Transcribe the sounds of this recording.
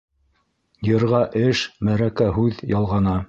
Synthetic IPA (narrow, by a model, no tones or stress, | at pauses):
jɤ̆ɾʁɑʔɘʃmæɾækæɦʉðjɑlˠʁɑnɑ